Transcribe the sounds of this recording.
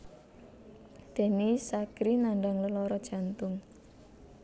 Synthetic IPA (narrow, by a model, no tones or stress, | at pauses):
d̪̥e̤nisaɡ̥ɾinaɳɖaŋləlɔɾɔd̥ʒ̥ä̤nt̪ʊŋ